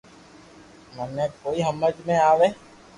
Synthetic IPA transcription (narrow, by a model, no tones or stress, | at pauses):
mənɛ̃ːkoːiɦəməd͡ʒmẽaːʋeː